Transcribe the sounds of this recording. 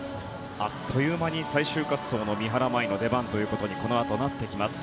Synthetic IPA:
at̪ʰːo̞jɯ̟ːmaɲ̟isaiɕɨːkasːo̞ːno̞mʲiɦaɾamaino̞d̪e̞bãnt̪o̞jɯ̟ːko̞t̪o̞ɲ̟iko̞no̞at̪o̞nat̪ːe̞kʲimasɨ̥

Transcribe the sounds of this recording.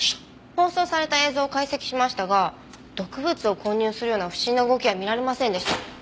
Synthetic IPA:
o̞ːso̞ːsaɾe̞t̪ae̞ːzo̞ːkaise̞kʲi̥ɕimaɕi̥t̪aɡa | d̪̥o̞kɯ̟bɯ̟t͡sɨo̞ko̞ːɲ̟ɨːsɨɾɯ̟jo̞ːnaɸɯ̟̥ɕiinːoɯ̟ɡo̞kʲiβamʲiɾaɾe̞masẽnd̪e̞ɕit̪a

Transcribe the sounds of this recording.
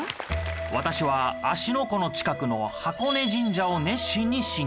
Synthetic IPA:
βat̪aɕiβaːɕino̞ko̞no̞t͡ɕi̥kakɯ̟no̞hako̞ne̞ʑĩɲ̟d͡ʑao̞nẽ̞ɕĩɲ̟ːiɕĩ

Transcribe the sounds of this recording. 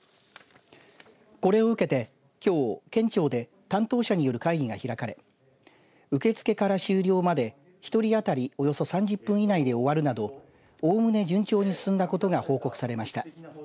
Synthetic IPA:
ko̞ɾe̞o̞ɯ̟ke̞t̪e̞ | kʲo̞ːkẽ̞ɲ̟t͡ɕo̞ːd̪e̞ | t̪ãnt̪o̞ːɕaɲ̟ijo̞ɾɯ̟kaiɡʲiɡaçiɾakaɾe̞̰ | ɯ̟ke̞t͡sɨ̥ke̞kaɾaɕɨːɾʲo̞ːmad̪e̞ | çi̥t̪o̞ɾʲiat̪aɾʲio̞jo̞so̞sãɲ̟d͡ʑɨpːɯ̟̃ɰ̃inaid̪e̞o̞βaɾɯ̟nad̪o̞ | oːmɯ̟ne̞d͡ʑɨ̃ɲ̟t͡ɕo̞ːɲ̟isɨ̥sɨ̃nd̪ako̞t̪o̞ɡaho̞ːko̞kɯ̟̥saɾe̞maɕi̥t̪a

